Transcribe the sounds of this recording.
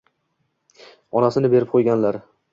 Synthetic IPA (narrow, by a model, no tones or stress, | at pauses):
ɒnasɪnɪbe̞ɾɪp̚qʰojɡʲanlaɾ